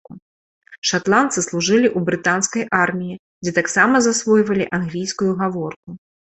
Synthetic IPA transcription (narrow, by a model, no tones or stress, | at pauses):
u | ʂat̪lˠant̪sɨslˠuʐɨlʲiʔubɾɨt̪anskɐjʔarmʲiji | d͡zʲɛt̪aksamɐzasvɔjvɐlʲiʔanɣlʲijskujuɣavɔrku